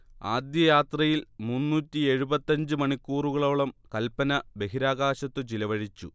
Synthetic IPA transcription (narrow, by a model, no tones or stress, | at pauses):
aːd̪jɐjaːt̪rɐjilmunːuːtʲːie̞ɻubɐt̪ːɐɲd͡ʑɨmɐɳikʲːuːruɣɐɭoːɭɐmkɐlpɐnɐbe̞ɦiɾaːɣaːɕɐt̪ːɨt͡ɕilɐʋɐɻit͡ɕːṵ